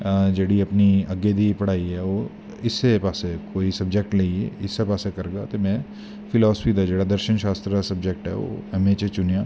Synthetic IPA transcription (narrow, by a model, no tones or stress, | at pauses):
d͡ʒeːɽiɐpniɐɡed̪ipɐɽ̤aːiɦɛoː | ɪsːepaːsekoːisɐb̚d͡ʒek̚ʈlɐiḛɪsːepaːsekɐɾɡa̰ːt̪emɛ̃ː | fʰɪlɔːspʰid̪ad͡ʒeːɽad̪ɐɾʃənʃaːst̪ɾəasɐbd͡ʒek̚ʈɦɛ̰ːʋo̰ːɛmeːt͡ʃet͡ʃʊnjaː